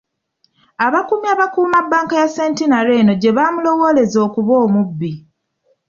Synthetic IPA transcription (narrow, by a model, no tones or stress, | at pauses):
aβakumiaβakuːmabːaːŋkajaseːntinaɾe̞ːno̞ɟe̞βaːmulo̞wo̞ːle̞zo̞ːkuβo̞ːmubːi